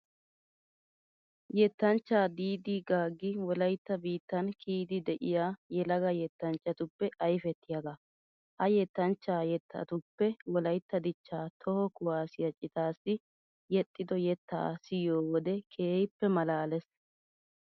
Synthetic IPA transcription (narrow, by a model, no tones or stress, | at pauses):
jɛt̪ːɐnt͡ʃːaːd̪iːd̪iɡaːɡːɪwɔlɐjt̪ːɐbiːt̪ːɐnkʰiːd̪ɪd̪ɛʔɪjaːjɛlɐɡɐjɛt̪ːɐnt͡ʃʼːɐt̪ʊpːɛʔɐjfɛt̪ːɪjɐɡa | hɐjɛt̪ːɐnt͡ʃːaːjɛt̪ːɐ̰t̪ʊpːɛwɔlɐjt̪ːɐd̪ɪt͡ʃːaːt̪ʰɔhɔkʊwaːsɪjɐt͡ʃʼːɪt̪aːsːɪ | jɛt̪ʼːɪd̪ɔjɛt̪ːa̰ːsɪjoːwɔd̪ɛkʰeːjpːɛmɐlaːlɛs